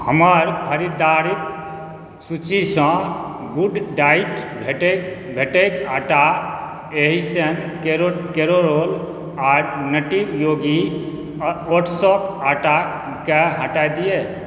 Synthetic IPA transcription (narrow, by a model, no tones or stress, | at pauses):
həməɾkʰəɾid̪aɾik̚ | sut͡ʃisə̃ | ɡuɖɖaiʈbʱeʈe | bʱeʈekaʈa | eɦisən | keɾokeɾoɾol | aɾnəʈibjoɡi | oʈʰsɔkaʈa | keɦə̃ʈajd̪ije